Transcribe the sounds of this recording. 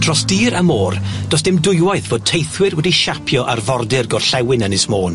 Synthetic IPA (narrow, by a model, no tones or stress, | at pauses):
d̥rɔsd̥iːɾamoːrd̥ɔsd̥ɪmdʊjwajθv̥oːd̚tʰejθwɪrwɛdiʃapʰjɔʔarvɔrdɪrɡɔrɬɛwɪnənɪsmoːn